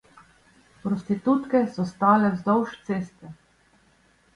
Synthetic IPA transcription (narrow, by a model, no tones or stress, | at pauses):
pɾɔst̪it̪ut̪kɛsɔst̪aːlɛzd̪ɔwʃt̪seːst̪ɛ